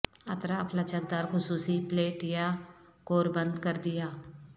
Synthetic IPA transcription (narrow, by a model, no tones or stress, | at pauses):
ɐt̪ɾapʰlət͡ʃənd̪aɾxʊsuːsipleːʈjakoːɾbə̃nd̪kəɾd̪ɪjaː